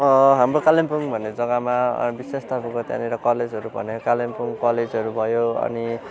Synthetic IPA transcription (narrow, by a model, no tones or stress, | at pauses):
ʌɦamɾokalimpuŋbʱʌnːed͡zʌɡama̰bisest̪ʰapukot̪ja̰niɾʌkʌled͡zʱɦʌɾubʱʌnekalimpuŋkʌled͡zɦʌɾubʱʌjoʌ̰ni